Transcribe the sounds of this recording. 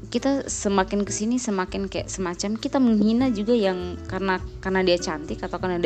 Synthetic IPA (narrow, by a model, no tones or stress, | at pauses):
kit̪asəmakɪnkəsinisəmakɪnkaja̰ʔsəmat͡ʃamkit̪aməŋɦinad͡ʒuɡajaŋkarənakarnadiat͡ʃant̪ɪkat̪awkarnadi